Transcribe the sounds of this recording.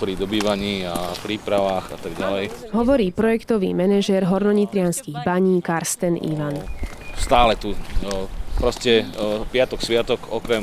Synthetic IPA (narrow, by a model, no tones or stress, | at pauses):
pɾid̪ɔbiːʋaɲiːapɾiːpɾaʋaːxa̰t̪aɡɟalɛjɦɔʋɔɾiːpɾɔjɛkt̪ɔʋḭːmɛnɛʒɛɾɦɔɾnɔɲit̪ɾɪanskiːɣbaɲiːkaɾst̪ɛnḭʋanst̪aːlɛt̪u | pɾɔscɛpɪat̪ɔksʋɪat̪ɔkɔkɾɛm